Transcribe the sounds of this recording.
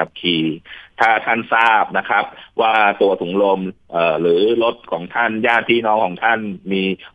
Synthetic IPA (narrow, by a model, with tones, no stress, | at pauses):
a˨˩p̚kʰiː˧t̪ʰaː˥˩t̪ʰa˥˩nsaː˥˩p̚na˦˥kʰɾa˦˥p̚waː˥˩t̪u˧ɐt̪ʰu˩˦ŋlo˧mʔɤː˨˩ɾɯː˩˦lo˦˥t̪̚kʰɔ̰ː˩˦ŋt̪ʰa˥˩njaː˥˩t̪ʰːiː˥˩nɔː˦˥ŋkʰɔː˩˦ŋt̪ʰa˥˩nmiː˧